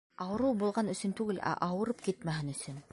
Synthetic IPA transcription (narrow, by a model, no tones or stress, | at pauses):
ɑwɤ̆ɾɤwbulˠʁɑnɵ̆sɵnt̪ʉɡɘlʔæ̰ʔɑwɤ̆ɾɤpkit̪mæɦɘnɵ̆sɵn